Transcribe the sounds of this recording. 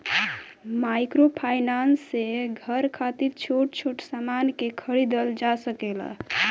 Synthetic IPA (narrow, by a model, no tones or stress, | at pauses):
majkɾopʰajnansːeɡʱəɾkʰat̪iɾt͡ʃʰoʈ̚t͡ʃʰoʈsamankekʰəɾid̪əld͡ʒasəkela̰